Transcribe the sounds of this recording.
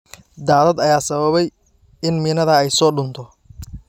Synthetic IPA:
d̪aːðɐd̪ɐjaːsɐβɐβɛj | ɪnmɪːnɐðɐɛjsɔːɖʊnt̪ʰɔ

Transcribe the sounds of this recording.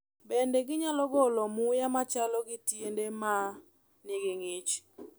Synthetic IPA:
bendeɡɪɲalɔɡɔlɔmʊjamat͡ʃalɔɡɪtjendema | nɪɡeŋet͡ʃ

